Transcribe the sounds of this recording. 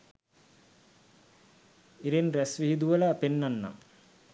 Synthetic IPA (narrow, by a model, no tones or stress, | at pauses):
iɾenɾɛsʋiɦid̪uʋɐlaːpenːɐnːa̰ŋ